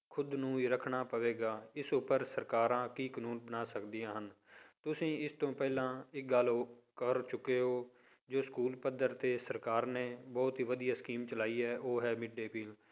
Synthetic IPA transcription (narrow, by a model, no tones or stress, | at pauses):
kʰʊd̪nũːiɾəkʰɳaːpəʋeːɡaːɪsʊpəɾsəɾkaːɾãːkiːkənuːnbənaːsəkd̪ɪjãːɦən | t̪ʊsĩːɪst̪õːpɛːlãːɪk̚ɡəloːkəɾt͡ʃʊkːeːɦoː | d͡ʒoːskuːlpəd̪əɾt̪eːsəɾkaːɾneːbɔːt̪ɦiːʋəd̪ijaːskiːmt͡ʃəlaːiːɛːʔoːɦɛːmɪɖːeːpiːl